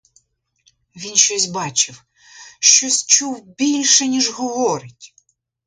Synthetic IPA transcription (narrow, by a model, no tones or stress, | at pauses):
ʋʲinʃt͡ʃɔsʲbɑt͡ʃɪw | ʃt͡ʃɔsʲt͡ʃuwbʲilʲʃɛnʲiʒɦɔʋɔɾɪtʲ